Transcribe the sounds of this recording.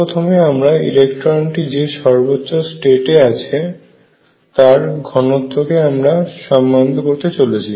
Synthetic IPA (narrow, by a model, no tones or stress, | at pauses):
ot̪ʰomeamɾaḭlekʈoɾoɳʈid͡ʑeʃɔɾbotːɕosʈeʈeat͡ɕʰe | t̪aɾɡʱɔnot̪ːokeamɾaʃɔmːand̪ʱokoɾt̪et͡ɕolet͡ɕʰi